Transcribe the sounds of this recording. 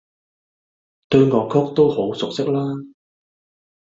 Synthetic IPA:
t̪ɵ˧ɥŋɔː˨˧kʰɔ˥k̚t̪o˥who˨˥wsʊ˨k̚sɪ˥k̚laː˥

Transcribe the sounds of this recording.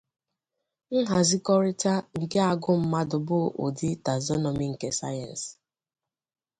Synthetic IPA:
n̩˦ɦa˨zi˦kɔ˦ɾɪ˦ta˦ŋ̩˨ke˦a˨ɡʊ˦m̩˦ma˦dʊ˨bʊ˦ʔo̰˨di˦ta˨zɔ˦nɔ˨mi˨˦ŋ̩˨ke˦sa̰˦ja̰˨n˨s

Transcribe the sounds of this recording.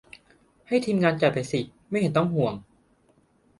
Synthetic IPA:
ha˥˩jt̪ʰiː˧mŋaː˧nt͡ɕa˨˩pa˨˩jsi˨˩ | ma˥˩jhe˧˦nt̪ɔ˥˩ŋhu˨˩əŋ

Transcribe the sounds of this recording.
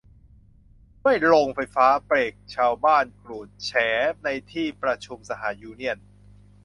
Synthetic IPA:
ma˥˩jlo˧ŋfa˧jfaː˦˥pɾeː˨˩k̚t͡ɕʰaː˧wbaː˥˩nklu˨˩t̪̚t͡ɕʰɛː˩˦na˧jt̪ʰiː˥˩pɾa˧t͡ɕʰu˧msa˧ɦaː˩˦njuː˧ni˥˩ən

